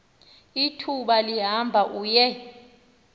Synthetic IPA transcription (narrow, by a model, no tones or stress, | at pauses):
itʰuɓaliɦambʱaʔujɛ